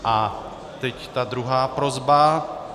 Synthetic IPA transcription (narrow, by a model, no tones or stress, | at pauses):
ʔa | t̪ɛct̪ad̪ɾuɦaːpɾozba